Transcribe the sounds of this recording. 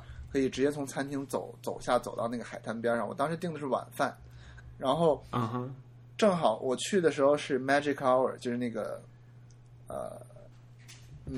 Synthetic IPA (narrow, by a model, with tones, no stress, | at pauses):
kʰɤ˧˥i˨˩ʈ͡ʂɻ̩˧˥t͡ɕjɛ˥t͡sʰʊ˧˥ŋt͡sʰa˥nt̪ʰi˧˥ŋt͡so˨˩˦ʊt͡so˨˩ʊɕja˥˩t͡so˨˩ʊt̪ɑ̰˥˧na˥˩ɡə˩xa˨˩ɪt̪ʰa˥np̬jɑ˥ʂɑ˥˩ŋwɔ̰˨˩t̪ɑ˥ŋʂɻ̩˧˥i˥˩ŋd̪ə˩ʂɻ̩˥˩wa̰˨˩nfa˥˩n | ɻa˧˥nxo˥˧ʊ˧ | ʈ͡ʂɤ˥˩ŋxɑ˨˩˦ʊwʔɔ˨˩t͡ɕʰy˥˩d̪ə˩ʂɻ̩˧˥xo˧ʊʂɻ̩˥˩mæ˥ʈ͡ʂi˧˥kʰɑ˥ʊə̰˞˨˩t͡ɕjo˥˧ʊʂɻ̩˥˧na˥˩ɡə̰˩ | ə̰˧˩ | n̩˥˩